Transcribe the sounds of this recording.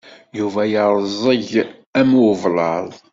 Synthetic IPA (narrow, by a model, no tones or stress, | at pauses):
juvæjəɾˤzˤəʝ | æmvlˤɑðˤ